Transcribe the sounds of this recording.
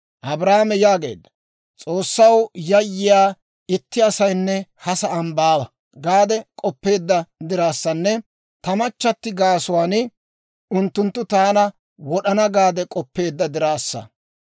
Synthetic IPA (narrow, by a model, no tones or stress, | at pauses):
ʔɐbɾaːmɛjaːɡe̞̰ːd̪ːɐ | t͡sʼo̞ːsːɐwjɐjːɪjaː | ɪt̪ːɪɐsɐjnːɛhɐsɐɐmbaːbɐ | ɡaːd̪ɛkʼɔpːe̞ːd̪ːɐd̪ɪɾaːsːɐnːɛ | t̪ɐmɐt͡ʃːɐt̪ːɪɡaːsʊwaːnɪ | ʊnt̪ːʊnt̪ːʊt̪aːnɐ | wɔɗɐnɐɡaːd̪ɛkʼɔpːe̞ːd̪ːɐd̪ɪɾaːsːɐ̰